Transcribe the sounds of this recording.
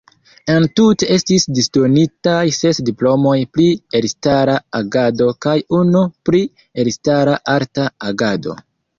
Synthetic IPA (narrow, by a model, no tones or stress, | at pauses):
e̞ntutee̞stisdistonitajse̞sdiplo̞mo̞jplielstaɾaaɡado̞kajunupɾi | elistaɾaʔaɾtaaɡado̞̰